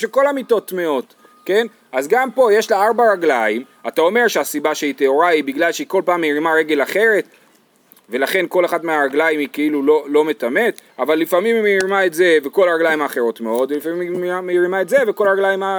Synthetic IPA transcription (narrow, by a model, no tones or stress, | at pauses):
ʃeko̞lamito̞tme̞o̞t | ke̞n | azɡampo̞je̞ʃlaaʁbaʁaɡlaim | atao̞me̞ʁʃeasibaʃeit̪eoʁaibiɡlalʃeiko̞lpaːmːeʁimaʁe̞ɡe̞laχe̞ʁe̞t | ve̞laχe̞nko̞leχadmeaʁaɡlajimikeilulo̞lo̞me̞t̪ame̞t̪avalːifamimimeiʁimaetzeveko̞laʁaɡlajimaːχe̞ʁo̞tme̞o̞dvelifamimmameiʁimaetze̞veko̞laʁaɡlajima